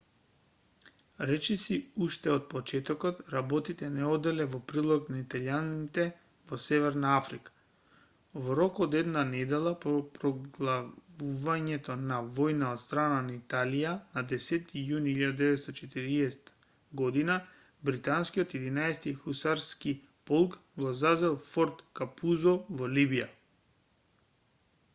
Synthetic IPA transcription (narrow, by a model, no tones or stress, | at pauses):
ɾɛt͡ʃɛsiuʃt̪ɛɔt̪̚pɔt͡ʃɛt̪ɔkɔt̪ɾabɔt̪it̪ɛnɛɔd̪ɛlɛvɔpɾilˠɔknait̪aljanit̪ɛ | vɔsɛvɛɾnaafɾikḁ | vɔɾɔkɔd̪ɛd̪nanɛd̪ɛlˠapɔpɾɔɡlˠavuvaɲɛt̪ɔnavɔjnaot̪st̪ɾananait̪alijanad̪ɛsɛt̪ijuniilʎːad̪ad̪ɛvɛt̪st̪ɔt͡ʃɛt̪iɾiɛsɛ̥t̪ḁ | ɡɔd̪ina | bɾit̪anskiɔt̪jɛd̪inaɛst̪ixusaɾski | pɔlˠkɡɔzazɛlˠfɔɾt̪kapuzɔvɔlibija̰